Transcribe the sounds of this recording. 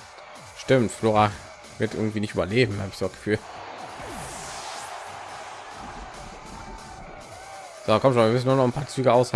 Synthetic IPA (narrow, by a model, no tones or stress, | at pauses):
ʃtɪmtfloːʁa | vɪɐtʔɪ̰ɐɡŋ̩tv̥iːnɪçtʔyːbɐleːbm̩haːbɪçz̥oːasɡ̥ə̥fyːl | z̥okʰɔmtʃoːnviːɐmʏsn̩ːuɐnɔχn̩pʰaːɐt͡syːɡəʔaʊsha